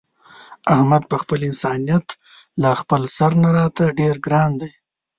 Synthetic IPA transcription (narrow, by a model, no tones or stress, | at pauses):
ahmad̪̚pəxpəlɪnsɑnijat̪ | laxpəlsaɾnaɾɑt̪aɖeɾɡɾɑnd̪aj